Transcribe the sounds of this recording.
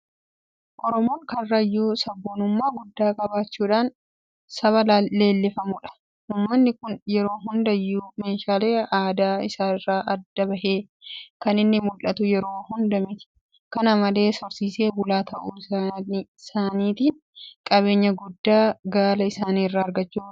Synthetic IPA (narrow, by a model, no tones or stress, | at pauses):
ʔɔɾɔmoːŋkɐrːɐjuːsɐbːoːnʊmːaːɡʊd̪ːaːkʼɐbaːt͡ʃːuːᶑaːn | sɐβɐlːe̞ːlːɪfɐmʊᶑɐ̥ | uːmːɐnːɪkʊnjɛɾo̞ːɦʊnd̪ɐjːuːme̞ːʃaːle̞ːaːd̪aːɪsaːɪrːaːʔɐd̪ːɐbɐheː | kɐnɪnːɪmʊlɐt̪ʊjɛɾo̞ːhʊnd̪ɐmɪt̪ɪ̥ | kɐnamɐle̞ːsɔɾsiːse̞ːbʊlaːt̪ɐʔuːɪsanisaːniːt̪iːn | kʼɐbe̞ːɲːɐɡʊd̪ːaːɡaːlɐɪsaːniːrːaːɐɾɡɐt͡ʃːuː